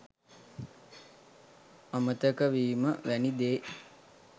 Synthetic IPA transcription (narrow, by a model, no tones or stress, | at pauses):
amət̪əkəʋiːməʋænid̪eː